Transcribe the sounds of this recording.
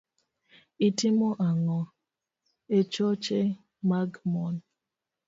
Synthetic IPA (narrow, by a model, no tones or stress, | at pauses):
itimɔʔaŋɔ | et͡ʃɔt͡ʃe | maɡmɔn